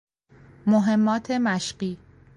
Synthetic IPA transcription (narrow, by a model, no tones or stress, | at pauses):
moɦe̞mːɒːt̪ʰe̞mæʃɢiː